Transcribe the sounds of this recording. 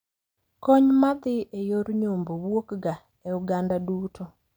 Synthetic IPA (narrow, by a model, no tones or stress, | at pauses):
kɔɲmaðɪʔejoɾuɲombowwokɡa | euɡandaduːtʰo